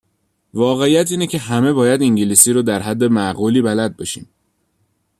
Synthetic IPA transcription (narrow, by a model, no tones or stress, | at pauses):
vɒːɣe̞ijæt̪ʰiːnecʰe̞ɦæme̞bɒːjæd̪iŋɟiliːsiːɾoːd̪æɾɦæd̪ːe̞mæɣuːliːbælæd̪̚bɒʃḭːm